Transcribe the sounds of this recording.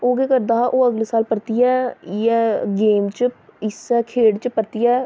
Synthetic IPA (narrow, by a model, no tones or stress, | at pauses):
oːɡeːkəɾd̪aːʔoːəɡleːsaːlpəɾt̪ijɛːɛːɡeːmt͡ʃɪsɛːkʰeːɽt͡ʃpəɾt̪ɪjɛː